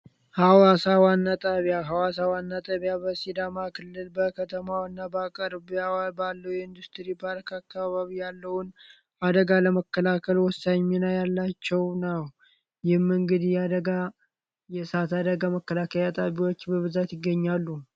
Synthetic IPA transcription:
hawasawanːat̪ʼaβijaɦawasawanːat̪ʼaβijabəsid̪amakʰɨlːɨlbəkʰət̪ʰəmawnːabəakʼəɾbjabalːəwjɛɨnd̪ust̪ɾipʰaɾkʰakʰːaβaβijalːəhʊn | ad̪əɡaləməkːəlakʰəlwɔsːaɲːinajalːat͡ʃːɛwnaw | jɪhmːɨŋɡɨd̪jɛad̪əɡa | jɛsat̪ad̪əɡaməkːəlakʰəlat̪ʼaβiwot͡ʃːbəβɨzat̪jɪɡːəɲːalːu

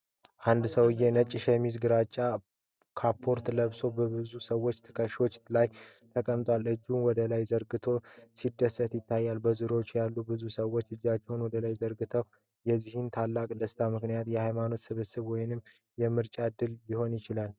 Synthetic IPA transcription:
ʔand̪səwɨjɛnət͡ʃʼːʃɛmizɡɨɾat͡ʃʼːa | kʰapʰːo̞ɾt̪ləβso̞bəbɨzusəwːo̞t͡ʃːt̪ʰɨ̥kʰəʃo̞t͡ʃːlajt̪ʰəkʼəmt̪ʼwalɨd͡ʒːunwɔd̪əlajzəɾɡɨt̪ʰo̞sid̪ːəsːət̪jɪt̪ʰːajːalbəzɨɾo̞t͡ʃːujalːubɨzusəwːo̞t͡ʃːɨd͡ʒːat͡ʃːɛwnwɔd̪əlajzəɾɡɨt̪ʰəw | jɛzːihɨnt̪ʰalːakʼd̪əst̪ʰamɨknijat̪jɛhajmano̞t̪sɨβɨsɨβwɔjɪnɨmː | jɛmɨɾt͡ʃʼad̪ɨljiho̞njɪt͡ʃɪlal

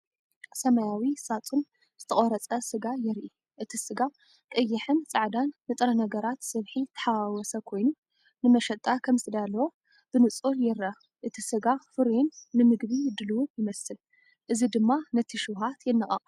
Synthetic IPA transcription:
sɐmɐjawisat͡sʼun | z̥ɨt̪ʰɐχʼoɾɐt͡sʼɐsɨɡajɪɾʔi | ʔɨt̪ʰisɨɡa | t̪ʼɨjːɪħɨnt͡sʼaʕd̪anːɨt̪ʼɾɐnɐɡɐɾat̪sɨβħit̪ʰɐ̥ħaawɔsɐkʰo̞jnu | nɨmɐʃɐt̪ʼakʰɐmsɨd̪alːɐwo | b̥ɨnɨt͡sʼuljɪɾɐ | ʔɨt̪ʰisɨɡafɨɾjunːɨmɨɡβijɪd̪ɨluwujɪmɐsɨl | ʔɨzid̪ɨmːanɐt̪ʰiʃɨwɦat̪jɪnːɨχʼɐχʼ

